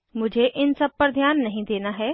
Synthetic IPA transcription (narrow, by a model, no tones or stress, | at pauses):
mʊd͡ʒʱeʔɪnsɐb̚pɐɾd̪ʱjaːnːɐɦĩd̪eːnaɦɛː